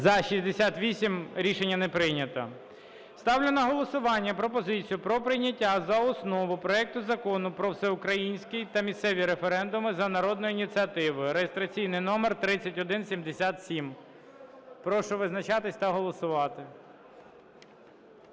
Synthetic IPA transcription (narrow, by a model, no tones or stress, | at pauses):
zɐʃizʲd̪esʲat̪ʋʲisʲimɾʲiʃenʲːɐnɛpɾɪjnʲɐt̪ɐ̰ | st̪ɑwlʲɪnɐɦɔlˠɔsʊʋɑnʲːɐpɾɔpɔzɪt͡sʲijʊpɾɔpɾɪjnʲɐtʲːazɐɔsnɔʋʊpɾɔɛk̚t̪ʊzɐkɔnʊpɾɔwsɛʊkɾɐjinʲsʲkɪjt̪ɐmʲist̪sɛʋʲiɾefeɾɛnd̪ʊmɪzɐnɐɾɔd̪nɔjʊinʲit̪t͡s̪ʲiɐt̪ɪʋʊjʊɾejest̪ɾɐt͡sʲijnɪjnɔmert̪ɾɪt͡sʲːɐtʲɔd̪ɪnsʲimd̪esʲat̪sʲim | pɾɔʃɔʋɪznɐt͡ʃɑt̪ɪsʲt̪ɐɦɔlˠɔsʊʋɑt̪ɪ